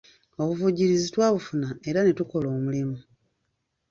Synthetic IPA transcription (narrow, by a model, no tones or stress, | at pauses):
o̞βuvuɟiɾizitwaːβufunae̞ɾanetuko̞lo̞ːmulimu